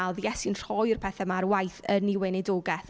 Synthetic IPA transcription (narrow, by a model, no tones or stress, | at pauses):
alˠðjɛsɪnr̥ɔjrpʰɛθɛmarwajθəniwɛnɛdoːɡɛθ